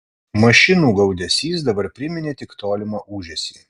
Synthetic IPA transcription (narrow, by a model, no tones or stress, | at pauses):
mɐʃʲɪnuːɡɐʊd̪ʲɛsʲiːsd̪ɐbɐɾpʲɾʲɪmʲɪnʲeːt̪ʲɪkt̪oːlʲɪmɐːʔuːʒʲɛsʲiː